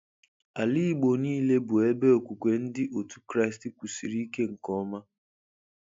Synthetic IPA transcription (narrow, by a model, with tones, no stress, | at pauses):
a˨li˦ɡ͡bo˨niː˦le˦bʊ˨e˦be˦o˨kʷu˨kʷe˨n̩˦dɪ˦ʔo˨tu̥˦kɾa˦ɪ˨stɪ˨˦kʷu˨si˨ɾi˦i˦ke˦ŋ̩˨kɔ˦ma˦